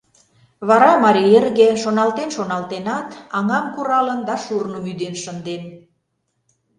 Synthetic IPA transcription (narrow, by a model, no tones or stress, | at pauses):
βɑɾɑmɑɾierɣeʃonɑlt̪enʃonɑlt̪enɑt̪ɑŋɑmkuɾɑlənd̪ɑʃurnəmyd̪enʃənd̪en